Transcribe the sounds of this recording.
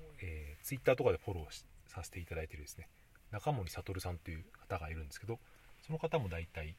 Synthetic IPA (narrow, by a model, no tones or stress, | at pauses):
eːt͡sɨit̪ːaːt̪o̞kad̪e̞ɸo̞ɾo̞ːɕsase̥t̪e̞it̪ad̪ait̪e̞ɾɯd̪e̞sɨne̞ | nakamo̞ɲʲisat̪o̞ɾɯ̟sãnt̪ːojɯ̟ːkḁt̪aɡaiɾɯ̟̃nd̪esɨ̥ke̞d̪o | so̞no̞kat̪amo̞d̪ait̪ai